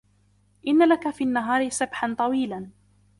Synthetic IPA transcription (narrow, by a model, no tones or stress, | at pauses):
ʔɪnːalakafiːʔanːaɦɑːɾɪsabħant̪ˤɑwiːlan